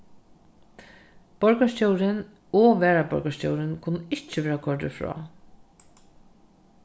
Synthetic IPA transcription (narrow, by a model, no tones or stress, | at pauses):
b̥ɔɹkaʃcowɾɪn | ɔʋɛːɹabɔ̰ɹkaʂcowɾɪnkʰʊnːəɪht͡ʃːɪʋeːɹakʰɔɹt̪ɪfɹɔ̰ː